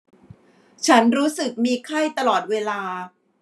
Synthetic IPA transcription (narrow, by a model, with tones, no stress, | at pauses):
t͡ɕʰa˦˥nɾuː˦˥sɯ˨˩k̚miː˧kʰa˥˩jt̪a˧lɔː˨˩t̪̚weː˧laː˧